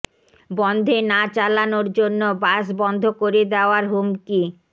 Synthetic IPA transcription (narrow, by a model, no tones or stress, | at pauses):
bɔnd̪ʱenat͡ɕalanoɾd͡ʑonːobaʃbɔnd̪ʱokoɾed̪eoaɾɦumki